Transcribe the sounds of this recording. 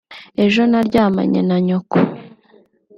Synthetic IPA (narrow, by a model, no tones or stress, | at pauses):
e̞ʒo̞naɾɟaːma̰ɲḛnaɲoko